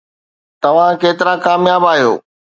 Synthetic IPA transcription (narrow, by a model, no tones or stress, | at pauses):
t̪ɐʋ̤ãkeːt̪ɪɾãkaːmjaːbaːɦijo̰ː